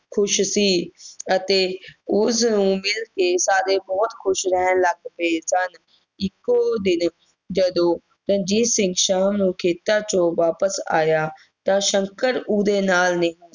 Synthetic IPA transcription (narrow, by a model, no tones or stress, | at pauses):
kʰʊʃsiːət̪eːʊs̬nũːmɪlkeːsaːd̪eːbɔːt̪kʰʊʃɾəɦənləɡpesən | ɪkːoːd̪ɪn | d͡ʒəd̪õː | ɾə̃nd͡ʒiːsɪ̃ŋɡʃaːmnũːkʰeːt̪aːt͡ʃõːʋaːpəsa̰ːjaː | t̪ãːʃə̃ŋkəɾuːd̪eːnaːlnẽ